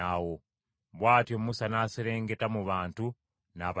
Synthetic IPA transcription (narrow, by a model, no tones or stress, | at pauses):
awo | βwaːtjo̞musanaːseɾe̞ːŋɡetamuβaːntu | naːβ